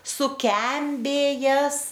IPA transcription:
sʊˈkʲɛmʲbʲeːjɛs

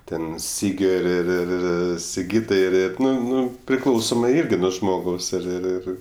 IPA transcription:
ˈtʲɛn ˈsʲiːɡʲoː ɪr ɪr ɪr ˈɪr sʲɪˈɡʲiːtɐɪ ɪr ɪr ˈnʊ ˈnʊ pʲrʲɪˈklˠɐʊsoːmɐɪ ˈɪrʲɡʲɪ ˈnuɔ ʒmoːˈɡɐʊs ɪr ɪr ˈɪr

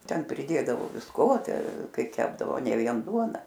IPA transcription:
ˈtʲɛn pʲrʲɪˈdʲeːdɐʋoː ʋʲɪsˈkoː ˈtʲɛ ˈkɐɪ ˈkʲæːbdɐʋoː ˈnʲɛ ˈʋʲiɛn ˈduɔnɐ

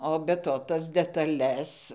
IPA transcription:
oː bʲɛ ˈtoː ˈtɐs dʲɛtɐˈlʲɛs

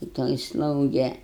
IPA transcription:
tɐ ˈtoːj ˈslˠɐʊɡʲɛ

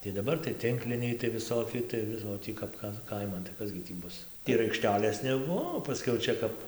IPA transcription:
tɐɪ dɐˈbɐr tɐɪ ˈtʲɪŋklʲɪnʲɛɪ tɐɪ ʋʲɪˈsoːkʲɪ tɐɪ ˈʋʲɪs oː ˈtʲiː kɐp ˈtɐn ˈkɐɪmɐn tɐɪ ˈkɐs ɡʲɪ ˈtʲiː ˈbʊs ɪr ɐɪkˈʃʲtʲæːlʲeːs nʲɛˈbuɔ oː pɐˈsʲkʲɛʊ ˈt͡ʃʲɛ kɐp

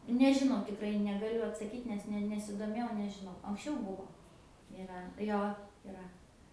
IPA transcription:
nʊ nʲɛʒʲɪˈnɐʊ tʲɪkˈrɐɪ nʲɛɡɐˈlʲʊ ɐtsɐˈkʲiːt nʲɛs ˈnʲɛ nʲɛsʲɪdoːˈmʲeːjɛʊ nʲɛʒʲɪˈnɐʊ ɐŋksʲˈt͡ʃʲɛʊ ˈbʊʋoː ɪˈrɐ ˈjoː ɪˈrɐ

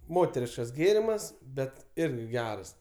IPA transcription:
ˈmoːtʲɛrʲɪʃkɐs ˈɡʲeːrʲɪmɐs ˈbʲɛt ˈɪrʲɡʲɪ ˈɡʲæːrɐs

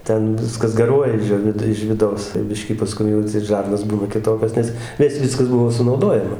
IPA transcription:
ˈtʲɛn ˈʋʲɪskɐs ɡɐˈruɔjɛ ɪʃ ˈjoː ʋʲɪt ɪʃ ʋʲɪˈdɐʊs tɐɪ ˈbʲɪʃʲkʲiː pɐˈskʊm ɐtʲˈsʲɛɪt ˈʒɐrnoːs ˈbuːnɐ kʲɪˈtoːkʲoːs ˈnʲɛs nʲɛs ˈʋʲɪskɐs ˈbʊʋoː sʊnɐʊˈdoːjɛmɐ

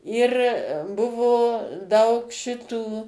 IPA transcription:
ɪr ˈbʊʋoː ˈdɐʊk ˈʃʲɪtuː

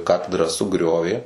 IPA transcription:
ˈkɑːtʲɛdrɑː sʊˈɡrʲoːʋʲeː

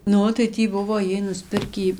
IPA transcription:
ˈnʊ tɐɪ ˈtʲiː ˈbʊʋoː ˈjiɛj nʊsʲˈpʲɪrʲkʲiː

